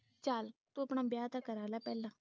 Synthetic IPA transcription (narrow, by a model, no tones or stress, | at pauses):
t͡ʃaːlt̪uəpɳãːbjaːt̪akəɾaːlaːpɛːlãː